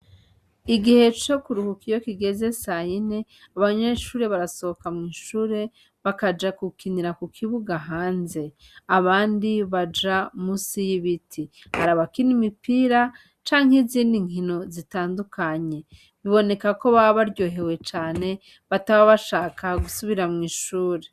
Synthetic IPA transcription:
iɡihe̞t͡ʃo̞kuɾuhukijo̞kiɡe̞ze̞sajineaβaɲeʃuːɾe̞βaɾaso̞okamŋiːʃuːɾe̞ | βakad͡ʒakukiniɾakukʰiβuɡaɦaːnze̞ | aβaːndiβad͡ʒamusijiβitʰihaɾaβakinimipiːɾa | t͡ʃaːŋ̥heziːndiŋ̥ino̞zitaːndukʰaɲe̞ | βiβo̞ne̞kako̞βaβaɾɟo̞ːɦe̞we̞t͡ʃaːne̞ | βataβaβaʃaːkaɡusuβiɾamŋiːʃuːɾe̞

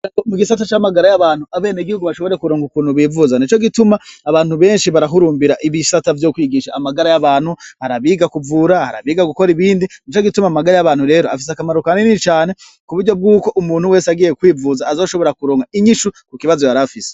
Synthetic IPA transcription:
omuɡisatat͡ʃamaɡaɾajaβaːn̥huaβe̞ːneɡihuɡuβaʃo̞βo̞ɾe̞kuɾoːŋɡukuːnhuβiːvuzanit͡ʃo̞ɡitumaːβaːn̥huβe̞ːnʃiβaɾaɦuɾuːmbiɾaʔiβisatavjoːkwiːɡiʃaːmaɡaɾajaβaːnhuhaɾaβiːɡakuvuɾahaɾa̰βiːɡaɡuko̞ɾiβiːndinit͡ʃoɡitumamaɡaɾajaβaːn̥huɾe̞ːɾo̞a̰fis̬eakamaɾukaninit͡ʃaːne̞ | kuβuɾɟo̞b̚ɡuːko̞ʔumuːnhuwe̞ːsaɡiːjekwiːvuːzaːzo̞ːʃo̞βo̞ɾakuɾoːŋɡaiɲiʃukukiβazojaɾafise̥

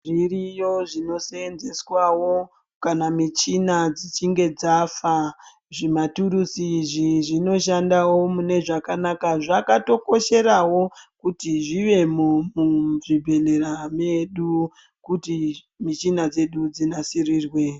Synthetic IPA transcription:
ʐirijo̞ʐino̞senze̞swawo̞ | kanamit͡ʃinad͡zit͡ʃiŋɡe̞d͡zafa | ʐimatuɾusiʐiʐino̞ʃandawo̞mune̞ʐakanakaʐakato̞ko̞ʃe̞ɾawo̞kutiʐiʋe̞mumuʐibʱe̞le̞rame̞ɗu | kuti | mit͡ʃinad͡ze̞ɗud͡zinasiriːrwe̞

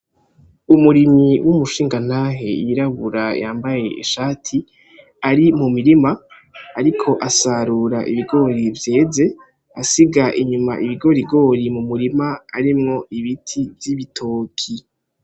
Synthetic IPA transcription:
umuɾimiwʔumuʃiːŋɡan̥aːɦe̞̰jiɾaβuɾajaːmbaje̞ʔḭʃaːtʰi | aɾimumiɾimaː | ɾikʰo̞ʔasaɾuːɾaʔḭβiɡo̞ɾivje̞ːze̞ | asiɡaʔiɲuma̰ʔiβiɡo̞ɾiɡo̞ɾimumuɾimaa̰ɾimŋo̞iβitʰivjiβitʰo̞ːkʰi

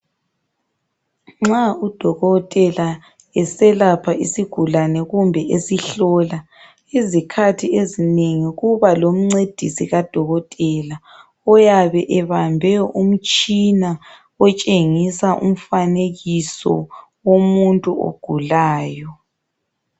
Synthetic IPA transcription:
ŋ͡ǁaud̥ʱɔɣɔtʼɛla | ɛsɛlapʰaʔisiɡ̥ʱulanɛɣumbʱɛʔesiɬɔla | izikʰatʰiezineŋiɣuβalom̩ŋ͡ǀed̥ʱisiɣad̥ʱɔɣɔtʼɛla | ɔjaβɛʔɛβambʱɛum̩t͡ʃʼina | ɔt͡ʃʼeŋisaʔṵm̩faneɣisɔ̰womuntʼuo̰ɡ̥ʱulaːjɔ

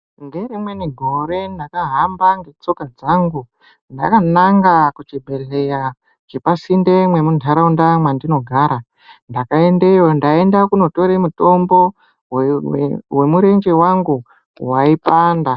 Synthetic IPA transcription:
nde̞rimwe̞niɡʱo̞ɾe̞ndakaɦambaŋɡe̞t͡so̞kad͡zaŋɡu | nda̰kanaŋɡakut͡ʃibʱe̞ɬeja | t͡ʃepasinde̞mwe̞muntʰaɾaundamwandino̞ɡʱaːɾa | ndakae̞nde̞jo̞ndae̞ndakuno̞to̞ɾemuto̞mbo̞ | we̞muɾe̞nd͡ʒe̞waŋɡu | waipaːnda

